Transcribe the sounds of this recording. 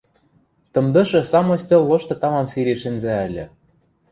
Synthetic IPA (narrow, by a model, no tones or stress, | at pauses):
t̪ɤ̆md̪ɤ̆ʃɤ̆sɑmŏsʲt̪ʲolːoʃt̪ɤ̆t̪ɑmɑmsiɾʲiʃɘ̆nzæælʲɘ̆